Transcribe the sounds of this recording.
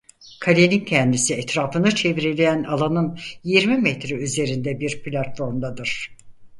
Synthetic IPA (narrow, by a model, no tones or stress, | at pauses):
kʰalʲenicʰɛnd̪isiɛt̪ɾaːfɯnɯt͡ʃʰe̞vɾelʲejænalˠanɯnjiɾmimɛt̪ɾɛyze̞ɾind̪ɛbiɾpilʲat̪fo̞ɾmd̪ad̪ɯɾ̥